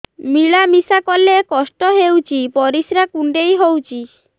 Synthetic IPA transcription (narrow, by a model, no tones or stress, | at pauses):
miɭamisakɔlekɔsʈɔɦewt͡ʃʰipɔɾisɾakuɳɖejɦowt͡ʃʰi